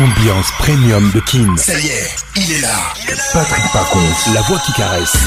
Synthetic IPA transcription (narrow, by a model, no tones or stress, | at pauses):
ɑ̃bjɑ̃spχemjɔmd̪əkʲʰinsajɛ | ilɛla | pat̪χik̚pakɔ̃lavwakʲikaʁɛs